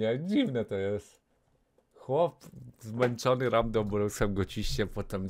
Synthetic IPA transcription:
ad͡ʑivnɛt̪ɔjɛs | xwɔpzmɛnt͡ʂɔnɨɾamd̪ɔbɾɛwsamɡɔt͡ɕiɕt͡ɕɛpɔt̪ɛm

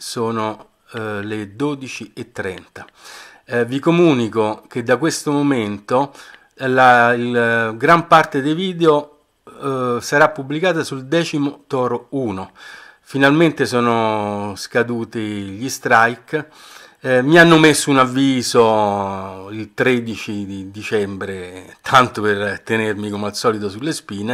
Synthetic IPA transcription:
soːno | led̪oːd̪it͡ʃiet̪ːɾɛ̰nt̪ḁ | vikomuːnikok̟ed̪ːakwest̪omoment̪o | lailɡɾampart̪ed̪ejviːd̪eo | saɾapːubːlikaːt̪asuld̪ɛːt͡ʃimot̪ɔːɾouːno | finalment̪esɔːnoskad̪uːt̪iʎist̪ɾajk | mianːomesːuunavːiːzo | ilt̪ɾed̪it͡ʃid̪id̪it͡ʃɛmbɾet̪ʰant̪opert̪enermikomalsɔːlit̪̬osulːespiːne

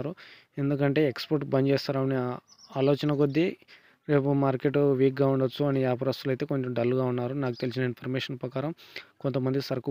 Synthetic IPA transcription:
aɾu | e̞nd̪uk̬ɐɳʈe̞ːekspoɾʈbɐɲd͡ʒɛːst̪aːɾaːmni | aːloːt͡ʃɐnɐkod̪ːi | ɾe̞ːpumaːɾke̞ʈuʋiːk̚ɡaːuɳɖɐt͡ʃːuɐniaːpɐɾɐst̪ulɐjt̪e̞ːko̞ɲt͡ʃomɖɐlːuɡaːunːaːɾunaːku̥t̪e̞lis̬inɐinpʰɐɾmeːʂɐnpɾɐkaːɾɐmko̞nt̪ɐmɐnd̪isɐɾɐku

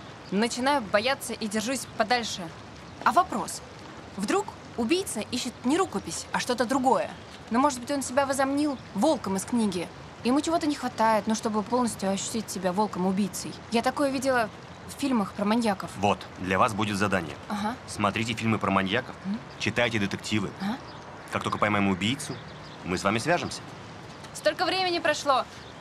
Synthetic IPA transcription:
nət͡ɕɪnajʊbɐjat̪sːəʔidʲɪrʐusʲpɐd̪alʲʂɨ | ɐvɐpɾo̞s | vd̪ɾuk | ʊbʲijt̪səʔiɕːɪt̪nʲɪɾukəpʲɪsʲɐʂt̪o̞t̪əd̪ɾʊɡo̞jə̰ | no̞mo̞ʐɨt̪̚bɨtʲo̞nsʲɪbʲavəzɐmnʲilˠvo̞lˠkəmɨsknʲiɡʲɪ | ɪɪmut͡ɕɪvo̞t̪ənʲɪxvɐt̪ajɪt̪nuʂt̪o̞bɨpo̞lˠnəsʲtʲjʊɐɕːʉ̥tʲitʲsʲɪbʲavo̞lˠkəmʊbʲijt̪səjjat̪ɐko̞jəvʲidʲɪlˠə | ffʲilʲməxpɾəmanʲjakəfvo̞t̪ | d̪lʲɐvasbudʲɪt̪zɐd̪anʲɪ̰jə̰aɦasmɐt̪ɾʲitʲɪfʲilʲmɨpɾəmɐnʲjakəf | t͡ɕɪt̪ajtʲɪd̪ʲɪt̪ɨk̚tʲivɨ̰a | kaktokəpɐjmajɪmʊbʲijt̪sʊ | mɨsvamʲɪsvʲaʐɨmsʲə̥ | st̪o̞lʲkəvɾʲemʲɪnʲɪpɾɐʂlˠo̞

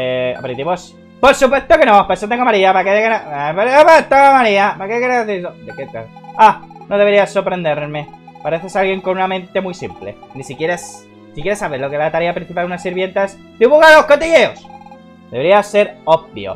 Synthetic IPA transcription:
ea̰peɾit̪imos | po̞ɾsupwe̞θt̪oke̞nõpesot̪eŋɡomaɾiapaket̪ekenoppat̪eŋomaɾiapakekeɾaeθisod̪eket̪aanoðeβe̞ɾiaso̞ɾpɾe̞nd̪e̞ɾme̞paɾeθesalɣje̞ŋko̞nunamẽ̞nt̪e̞mwjsḭmple̞̰ | nisikje̞ɾas | sikjeɾesaβeɾlokezlat̪aɾeapɾin̟θipalunasiɾβje̞nt̪as | d̪iβuɣalohkot̪iʝe̞o̞s | d̪e̞βɾiase̞ɾob̚bjo̰

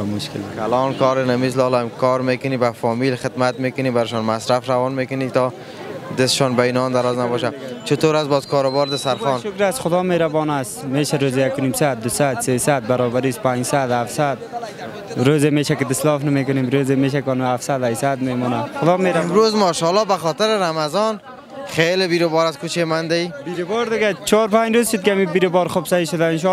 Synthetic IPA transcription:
mʊʃkɪ̰lkʰalɔnkɔɾɪnamis̬lɔːlamkʰɔɾmekʊnibafɔːmilxɪd̪mat̪mekʊnibaɾɪʃɔnmasɾafɾawɔnmekʊnit̪ɔ | d̪ɪsɪ̥ʃɔnbainɔnd̪aɾɔznabɔːʃ̬at͡ʃʊt̪oːɾasbɔzkɔːɾʊbɔːɾd̪asaɾxɔnʃʊkɾasxʊd̪ɔːmeːɾabɔːnasmeːʃaɾoːzejakʊnimsad̪̚d̪ʊsad̪seːsad̪̚baɾɔːbaɾiːspand͡ʒsad̪hafsad̪̚ | ɾoːzemeːʃakɪd̪ɪslɔːfnamekʊneːmɾoːzemeːʃ̬akɔnafsad̪ajsad̪meːmɔːnaxʊd̪ɔːmeɾamɾozmɔːʃɔlɔːbaxɔt̪ɪɾɪɾamazɔn | xelebiɾobɔːɾaskut͡ʃemand̪aibiɾobɔːɾd̪ɪɡat͡ʃʰɔːɾpad͡ʒɾoːzʃʊd̪̚kɪamibiɾɪbɔːɾxʊbsaiʃʊd̪aɪnʃ̬ɔ

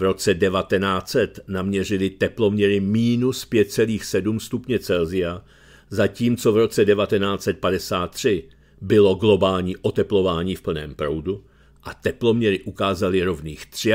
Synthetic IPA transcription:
vɾo̞t͡sɛdɛvat̪ɛnaːt͡sɛt̪namɲɛrɪlɪt̪ɛplo̞mɲɛɾɪmiːnuspjɛt̪̚t͡sɛliːxsɛdumst̪upɲɛt͡sɛlzɪja | zaciːmt͡so̞vɾo̞t͡sɛdɛvat̪ɛnaːt͡sɛt̪̚padɛsaːt̪ːr̝̥ɪ | bɪlo̞ɡlo̞baːlɲiːʔot̪ɛplo̞vaːɲiːfpl̩nɛːmpɾo̞wdu | ʔat̪ɛplo̞mɲɛɾɪʔukaːzalɪɾo̞vniːxt̪r̝̥ɪ

